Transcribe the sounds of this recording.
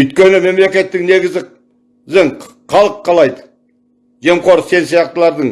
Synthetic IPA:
ʏjt̪̚kʲe̞nɪme̞mle̞kʲe̞t̪ːɪŋne̞ɡʲɪzɪ | zɪɴ | qʰɑlˠəqʰːɑlˠɑjd̪ə | ʒe̞mqo̞ɾse̞nsijɑqt̪əlˠɑɾd̪əɴ

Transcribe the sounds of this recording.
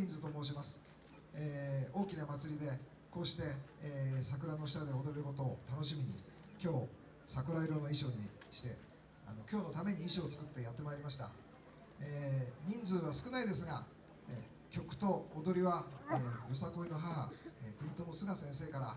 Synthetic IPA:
ɲĩnd͡zɨt̪o̞moːɕ̬imasɨ̥ | eːo̞ːkʲinamat͡sɨɾʲid̪e̞ | ko̞ːɕi̥t̪e̞ | sak̬ɯ̟ɾano̞ɕi̥t̪ad̪e̞od̪oɾeɾɯ̟ko̞t̪o̞ːt̪ano̞ɕimʲiɲ̟ḭ | kʲo̞ː | sakɯ̟ɾaiɾo̞no̞iɕo̞ːɲ̟iɕi̥t̪e̞ | a̰no̞kʲo̞ːno̞t̪ame̞ɲ̟iːɕiot͡sɨ̥kɯ̟t̪ːe̞jat̪ːe̞maeɾʲimaɕi̥t̪a̰ | eːɲ̟ĩnd͡zɨβasɨ̥kɯ̟naid̪e̞sɨɡa | e | kʲo̞kɯ̟̥t̪o̞ːd̪o̞ɾʲiβaeːjo̞sako̞ino̞ɦaɦa̰ekɯ̟ɾʲit̪o̞mo̞sɨɡasẽ̞ɰ̃se̞ːkaɾa

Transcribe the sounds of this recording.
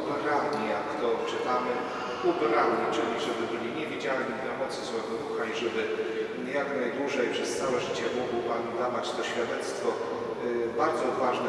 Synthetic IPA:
mɛɾad̪ɲijakt̪ɔt͡ʂɘt̪amɘ | ubɛɾalɲʲit͡ʂɘlʲiʐɛbɘbɘlʲiɲɛvʲid͡ʑalɲid̪lamɔt̪sɨzɔɡ̪ɔɾuxaiʐɛbɘ | jaknajd̪wuʐɛjpʂɛst̪sawɛʐɘt͡ɕɛmuɡmwand̪avat͡ɕt̪ɔɕfʲjad̪ɛt̪st̪fɔ | baɾd̪zɔɔvaʐnɛ

